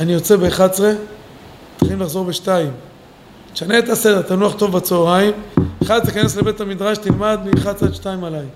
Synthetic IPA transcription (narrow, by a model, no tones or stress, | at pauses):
anijo̞t͡se̞beχat͡sʁe | t̪alimlaχzo̞ʁbeʃtaim | e̥ʃaneːt̪ase̞d̪eʁt̪anuaχt̪o̞vbat͡sooʁaimeχadt̪ekaneslebe̞t̪hamid̪ʁaʃt̪ilmad̪miχat͡sʁeʃtaimalaj